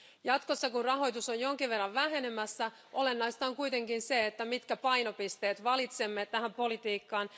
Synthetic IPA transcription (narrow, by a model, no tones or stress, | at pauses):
jɑt̪ko̞sːɑkunrɑɦo̞jt̪usojjo̞ŋkiʋʋe̞rːɑʋʋæɦe̞nemæsːæ | ʔo̞lenːɑjst̪ɑːŋkujt̪e̞ŋkinseet̪ːæmit̪kæpɑjno̞pist̪e̞ːt̪ʋɑlit̪se̞mːet̪ːæhæmpo̞lit̪iːkːɑːn